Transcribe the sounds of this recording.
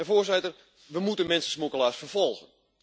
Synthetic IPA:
əvoːrsɪtər | ʋəmutənmɛnsəsmukəlaːsfərfɔlˠɣən

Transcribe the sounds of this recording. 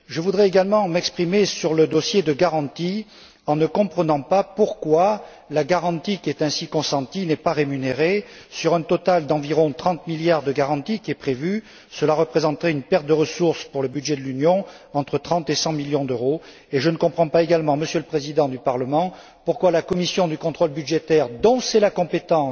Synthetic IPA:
ʒəvud̪ʁɛeɡalmɑ̃mɛkspχimesyʁləd̪ɔsjed̪əɡaʁɑ̃t̪i | ɑ̃nəkɔ̃pχənɑ̃papuʁkwa | laɡaʁɑ̃t̪ikʲiɛt̪ɛ̃sikɔ̃sɑ̃t̪inɛpaʁemyneʁesyʁɛ̃t̪ɔt̪ald̪ɑ̃viʁɔ̃t̪χɑ̃t̪miljaʁd̪əɡaʁɑ̃t̪ikʲiɛpχevy | səlaʁəpχezɑ̃t̪əʁɛynpɛʁt̪̚d̪əʁəsuʁspuʁləbyd̪ʒed̪əlynjɔ̃ | ɑ̃t̪χət̪χɑ̃t̪esɑ̃miljɔ̃d̪øʁo | eʒənəkɔ̃pχɑ̃paeɡalmɑ̃məsjøləpχezid̪ɑ̃d̪ypaʁləmɑ̃ | puʁkwalakɔmisjɔ̃d̪ykɔ̃t̪χɔlbyd̪ʒet̪ɛʁd̪ɔ̃sɛlakɔ̃pet̪ɑ̃

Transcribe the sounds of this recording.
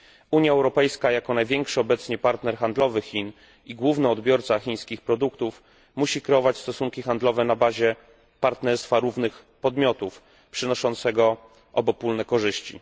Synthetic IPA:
uɲjaɛwɾɔpɛjskajakɔnajvʲjɛŋkʂɘɔbɛt̪sɲɛpaɾt̪nɛɾxand̪lɔvɘxʲin | iɡwuvnɛɔd̪bʲjɔɾt̪saxʲiɲ̃skʲixpɾɔd̪ukt̪uf | muɕikɾɛɔvat͡ɕst̪ɔsuŋkʲixand̪lɔvɛnabaʑɛ | paɾt̪nɛɾst̪faɾuvnɘx | pɔd̪mʲjɔt̪uf | pʂɘnɔʂɔnt̪sɛɡɔ | ʔɔbɔpulnɛkɔʐɘɕt͡ɕḭ

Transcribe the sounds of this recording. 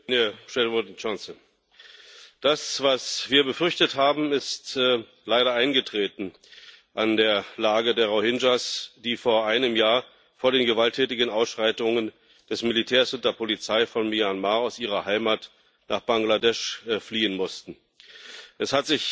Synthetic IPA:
neʃɛnvɔtt͡ʃansə | d̥asv̥asv̥iːɐbəfʏɐçtəthaːbm̩ɪstː | laɪɾɐaɪnɡətʁ̥eːtn̩ | ʔandeːɐlaːɡədeːɐʁohɪnd͡ʒasd̥iːfoːɐʔaɪnəmjaːɐ | foːɐɾeːnɡəvaltʰɛːtɪɡən̩ʔaʊsʃʁ̥aɪtʊŋən | d̥ɛsmɪlitʰɛːɐsʊnt̚d̥eːɐpʰolit͡saɪfɔnmianmaːaʊsʔiːʁɐhaɪmaːt | naːχb̥aŋɡladɛʃfliːənmʊstn̩ | ʔɛshatz̥ɪç

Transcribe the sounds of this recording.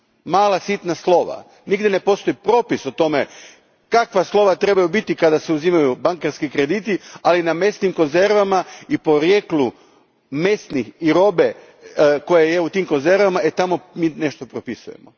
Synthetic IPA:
maːlˠasit̪naslˠo̞ʋa̰ | niɡdjene̞po̞st̪o̞jipɾo̞ːpisot̪o̞me̞ | kakʋaslˠo̞ʋat̪ɾe̞bajubit̪ikad̪aseuzimajubaŋkeɾskikɾe̞d̪it̪ialiname̞st̪nimko̞nze̞ɾʋamaipo̞ɾjeklu | me̞st̪nixiɾo̞be̞ | ko̞jaje̞ut̪iːmko̞nze̞ɾʋamaet̪amo̞miːneʃt̪o̞pɾopisṵje̞mo̰

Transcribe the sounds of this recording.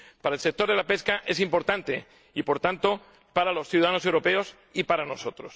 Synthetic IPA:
paɾaelse̞k̚t̪o̞ɾðe̞lape̞skaʔe̞simpo̞ɾt̪ant̪e̞ | ipo̞ɾt̪ant̪o̞ | paɾalo̞sθjuðaðano̞sewɾo̞pe̞o̞s | ipaɾano̞so̞t̪ɾo̞s

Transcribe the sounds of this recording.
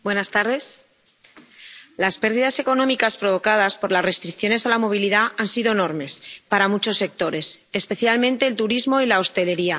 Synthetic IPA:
bwe̞nast̪aɾðe̞s | laspe̞ɾð̞iðase̞ko̞nõmikaspɾo̞β̞o̞kað̞aspo̞ɾlasre̞st̪ɾikθjo̞ne̞salamo̞β̞iliðaansiðo̞eno̞ɾme̞spaɾamut͡ʃo̞sːe̞k̚t̪o̞ɾe̞sespe̞θjalmẽnt̪e̞ːlt̪uɾizmo̞ilao̞st̪e̞le̞ɾia

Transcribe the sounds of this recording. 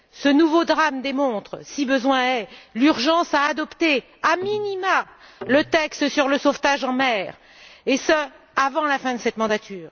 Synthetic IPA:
sənuvod̪ʁamd̪emɔ̃t̪χəsibəzwɛ̃ɛlyʁʒɑ̃saːd̪ɔpt̪e | aminimalət̪ɛkst̪əsyʁləsoft̪aʒɑ̃mɛːʁ | esə | avɑ̃lafɛ̃d̪əsɛt̪mɑ̃d̪at̪ʰyːʁ

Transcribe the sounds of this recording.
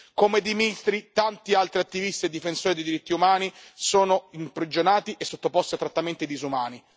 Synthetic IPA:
komed̪imist̪ɾit̪ant̪ialt̪ɾiat̪ːivist̪ied̪ːifensoːɾid̪ejd̪iɾit̪ːiumaːnisoːnoimpɾid͡ʒonaːt̪iʔesːot̪ːopost̪iat̪ːɾat̪ːament̪id̪izumaːni

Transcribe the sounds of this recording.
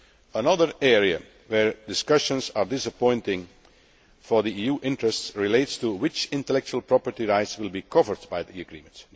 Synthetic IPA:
ənʌðəɹɛɹiə̰ | wɛɹdɪskʌʃə̃nsaɹdɪsəpɔ̃ɪ̃ntɪ̃ŋ | fɔɹðiijuːʔɪ̃ntɹəstsɹɪleɪtstuwɪt͡ʃɪ̃ntəlɛk̚t͡ʃuəlˠpɹɔpəɹtiɹaɪtswɪlˠbiːkʰʌvəɹdbaɪðiɨɡɹḭːmə̃nt

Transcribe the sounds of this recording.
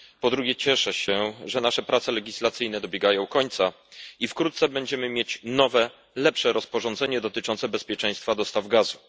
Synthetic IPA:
pɔd̪ɾuɡʲjɛt͡ɕɛʂɛɕɛʐɛnaʂɛpɾat̪sɛlɛɡʲislat̪sɘjnɛd̪ɔbʲjɛɡajɔ̃w̃kɔɲt̪sa | ifkɾut̪t̪sɛbɛɲd͡ʑɛmɘmʲjet͡ɕnɔvɛ | lɛpʂɛɾɔspɔʐɔnd̪zɛɲɛd̪ɔt̪ɘt͡ʂɔnt̪sɛbɛspʲjɛt͡ʂɛj̃st̪fad̪ɔst̪avɡazu

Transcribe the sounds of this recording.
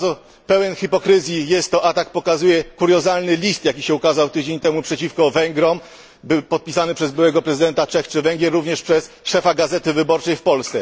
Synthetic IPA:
ɔ | pɛwɛnxipɔkɾɘzʲjijɛst̪ːɔʔat̪ak̚pɔkazujɛkuɾjɔzalnɘlʲist̪jakʲiɕɛukazawt̪ɘd͡ʑeɲt̪ɛmupʂɛt͡ɕifkɔvɛŋɡɾɔm | bɘwpɔt̪̚pʲisanɘpʂɛzbɘwɛɡɔpɾɛzɘd̪ɛnt̪at͡ʂɛxt͡ʂɘvɛŋɡʲjɛɾːuvɲɛʂpʂɛs | ʂɛfaɡazɛt̪ɘvɘbɔɾt͡ʂɛjfpɔlst̪sɛ

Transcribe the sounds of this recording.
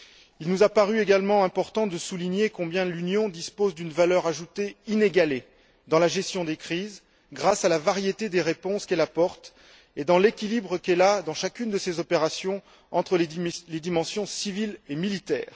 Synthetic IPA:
ilnuzapaʁyeɡalmɑ̃ɛ̃pɔʁt̪ɑ̃d̪əsuliɲekɔ̃bjɛ̃lynjɔ̃d̪ispozd̪ynvalœʁaʒut̪eineɡale | d̪ɑ̃laʒɛst̪jɔ̃d̪ekχiz | ɡʁasalavaʁjet̪ed̪eʁepɔ̃skɛlapɔʁt̪ | ed̪ɑ̃lekʲilibʁəkɛlad̪ɑ̃ʃakʲynd̪əsezɔpeʁasjɔ̃ | ɑ̃t̪χəled̪imɑ̃sjɔ̃sivilemilit̪ɛ̰ːʁ

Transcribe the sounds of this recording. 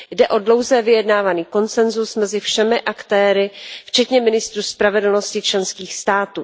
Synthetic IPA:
jdɛʔo̞dlo̞wzɛːvɪjɛdnaːvaniːko̞nt͡sɛnzusmɛzɪfʃɛmɪʔakt̪ɛːɾɪft͡ʃɛt̪ɲɛmɪnɪst̪ɾuspɾavɛdl̩no̞scɪt͡ʃlɛnskiːxst̪aːt̪uː

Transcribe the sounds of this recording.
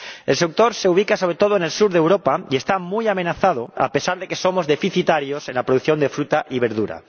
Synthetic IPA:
e̞lsek̚t̪o̞ɾse̞uβ̞ikaso̞βɾe̞t̪o̞ð̞oene̞lsuɾðewɾo̞paie̞st̪amujamenaθað̞oa̰pe̞saɾðeke̞so̞mo̞zðe̞fiθit̪aɾjose̞nlapɾoðuθjo̞nd̪e̞fɾut̪aʔiβe̞ɾðuɾa̰

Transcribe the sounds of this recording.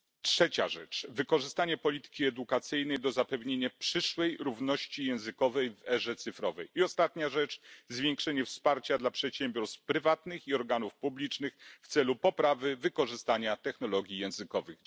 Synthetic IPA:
tʂɛt͡ɕa̰ʐɛ̰t͡ʂvɘkɔʐɘst̪aɲɛpɔlʲit̪ɘ̥kʲiɛd̪ukat̪sɘjnɛjd̪ɔzapɛvɲeɲapʂɘʂwɛjɾuvnɔɕt͡ɕijɛ̃w̃zɘkɔvɛjvɛʐɛt̪sɘfɾɔvɛjiɔst̪at̪ɲaʐɛt͡ʂzvʲjɛŋkʂɛɲɛfspaɾt͡ɕad̪lapʂɛt̪ɕɛmbʲjɔɾst̪pɾɘvat̪nɘxiɔɾɡanufpublʲit͡ʂnɘxft̪sɛlupɔpɾavɘvɘkɔʐɘst̪aɲat̪ɛxn̪ɔlɔɡʲijɛ̃w̃zɘkɔvɘx

